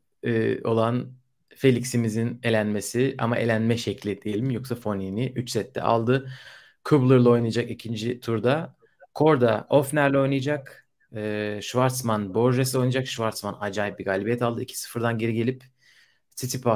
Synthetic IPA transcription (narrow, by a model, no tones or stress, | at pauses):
ɛo̞̰lˠan | fe̞lʲicsimizine̞lʲænme̞siʔa̰maʔe̞̰lʲænmɛʃeclʲɛd̪̥ijelʲimjoksafo̞niniʔyt͡ʃsɛt̪ʰːɛ̰ʔa̰lˠd̪ɯ | kʰublˠɯɾlˠao̞jnajad͡ʒakicʰind͡ʒit̪ʰuɾd̪a | kʰo̞ɾd̪aʔo̞fnæɾlʲɛo̞jnɯjad͡ʒak | ɯːʃvaɾt̪smanbo̞ɾʒeso̞jnad͡ʒakʃvaɾt̪smanad͡ʒaːjip̚biɡalʲibijɛt̪ʰalˠd̪ɯicʰi̥sɯ̥fɯɾd̪anɟeɾiɟe̞lʲip | sʰit̪ʰipa